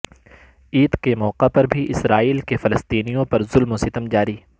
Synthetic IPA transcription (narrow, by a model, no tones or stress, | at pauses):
iːd̪kemɔːqepɐɾbʱiʔɪsɾaːiːlkefɐləst̪iːnijõpɐɾzʊlmosɪt̪əmd͡ʒaːɾiː